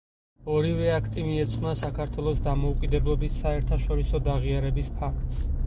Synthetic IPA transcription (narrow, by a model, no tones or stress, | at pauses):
ɔɾivɛakʰt̪ʼimiɛt̪sʼχʼnasakʰaɾt̪ʰwɛlˠɔsd̪amɔukʼid̪ɛblˠɔbisːaɛɾt̪ʰaʃɔɾisɔd̪aʁiaɾɛbispʰakʰt̪ʼs